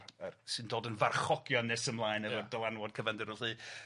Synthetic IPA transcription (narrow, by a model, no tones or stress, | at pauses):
əsɨndoːdənvarχɔɡjɔnɨsəmlˠaːɨnəvərdɔlˠanwɔd̚kʰəvɛndəɾʊɬɨː